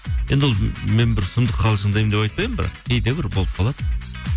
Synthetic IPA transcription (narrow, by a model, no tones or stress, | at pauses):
je̞nd̪ɪwolˠmenbɪɾsəmd̪əqʰɑlˠzʒənd̪ɑjmd̪epɑjt̪pɑjəmbɾɑ̰qejd̪ebɪɾbo̞lˠəp̚qʰɑlˠɑd̪ə